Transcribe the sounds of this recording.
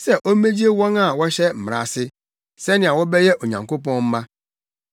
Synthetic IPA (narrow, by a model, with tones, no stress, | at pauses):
sɛ˦ʔo˦mẽ˦d͡ʑi˦e˦wɔ̃˦ŋa˨wɔ˦ɕɛ˦m̩˨m˨ɾa̰˨sɪ˦ | sɛ˦nɪ̃˨a˨wɔ˦bɛ˦jɛ˦ʔo˨ɲã̰˨ŋko˦pɔ̃˦nm̩˦mã˦